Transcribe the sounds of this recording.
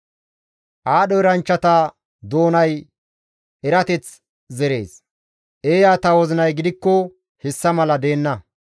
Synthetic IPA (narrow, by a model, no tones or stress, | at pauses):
ʔaːɗɔɛɾɐnt͡ʃːɐt̪ɐ | d̪o̞ːnɐj | ɛɾɐt̪ɛt͡s | zɛɾe̞̰ːs | ʔeːjaːt̪ɐwɔzɪnɐjɡɪd̪ɪkːɔ | hɛsːɐmɐlɐd̪e̞ːnːɐ